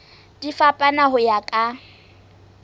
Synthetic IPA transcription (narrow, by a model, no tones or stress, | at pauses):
d̥ifapʼanaɦʊjakʼa